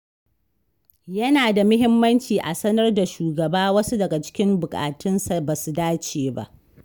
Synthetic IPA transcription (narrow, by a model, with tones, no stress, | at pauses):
jɐ˦naː˨da˨mʊ˦ɦɪ˦mːɐ˦nt͡ʃiː˨ʔa˨sɐ˦nɐ˦rda˨ʃuː˨ɡɐ˨baː˦wɐ˦su˦dɐ˨ɡa˨t͡ʃɪ̥˦kʲɪ˦mbʊ˨kʼa̰ː˨tʊ˦nsa˨ba˨su˨daː˦t͡ʃeː˨ba̰˦ʔ